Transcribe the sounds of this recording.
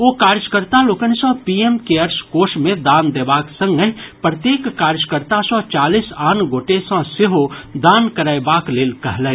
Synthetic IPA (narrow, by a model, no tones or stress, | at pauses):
okaːɾd͡ʒkəɾt̪aloːkənsɔ̃piemkeɐɾʃkoːʃmẽd̪aːnd̪eːbaːksə̃ŋɡəɦipɾət̪jeːkːaːɾd͡ʒkəɾt̪asɔt͡ʃaːliːsaːnɡoːʈesɔ̃seɦod̪aːnkəɾaːjbaːkleːlkɐɦlɛ